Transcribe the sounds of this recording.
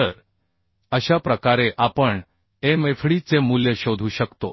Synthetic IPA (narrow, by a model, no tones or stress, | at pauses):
əɾ | əɕapɾəkaɾeʔapəɳ | emefʰɽiːt͡semuljəɕod̪ʱuɕəkt̪o